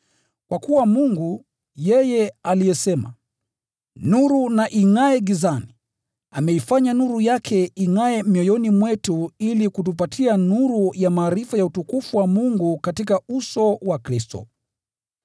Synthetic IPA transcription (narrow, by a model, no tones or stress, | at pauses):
kwakuwamuŋɡu | jɛjɛalijɛsɛma̰ | nuɾunaʔiŋaɛɡizani | amɛifaɲanuɾujakʰɛiŋaɛmjɔjɔnimwɛtuilikut̬upatʰianuɾujamaːɾifajautukufuwamuŋɡukatikausɔwakɾistɔ̰